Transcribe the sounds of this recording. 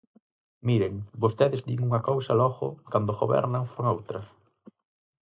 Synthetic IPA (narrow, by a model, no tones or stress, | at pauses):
miɾeŋbost̪eðɪzd̪iŋuŋɐkowsɐlɔɣʊ̰kand̪oɣoβɛ̰ɾnɐŋfoŋowt̪ɾɐ